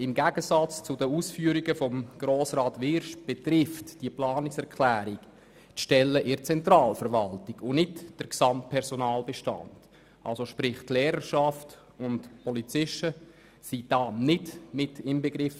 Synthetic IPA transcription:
ɪmɡæɡ̥əsɑt͡st͡sʊdəuːsfyːəɾiɡəfɔmɡ̥ɾoːsɾɑːtʋɪɾʃb̥etɾɪftd̥iəplɑːnɪksɛɾkʰlæːɾik | tʃtɛlːəʔɪɾt͡sɛntɾɑːlfəɾʋɑltiɡʊnɪtd̥əɾksɑmt̚pʰɛɾsɔnɑːlbeʃtɑ̰nd̥ | ʔɑ̰lsoʃpɾɪχtlɛːɾəʃɑft | ʊntpʰɔlit͡sɪʃtə | sid̥ɑːnɪdmɪtɪmbeɡɾɪf

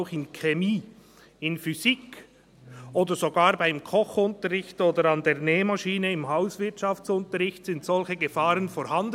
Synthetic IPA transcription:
ʊxɪnkʰemiː | ɪnfyziːk | ʔoːdəɾzoɡaːɾbaɪmkʰɔχʊntəʁɪçtoːdəɾɑndeːʁneːmaʃiːnəɪmhaʊsvɪɐtʃɑftt͡sʊntəɾɪçtsɪntsɔlçəɡəfaːʁənfɔɾhɑnd

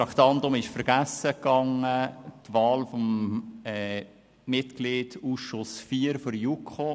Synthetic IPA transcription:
ɑkt̪ɑndʊmɪʃfəɾɡ̥æsəkːɑŋətʋɑːlfomɛ | mɪtkliːd̥uːsʃʊsfiːəɾfɔɾjukʰχo

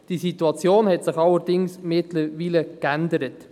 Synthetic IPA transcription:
d̥isituɑt͡sjoːnhɛtsɪχɑlːəɾdɪŋsmɪtləʋiːləkændəɾət

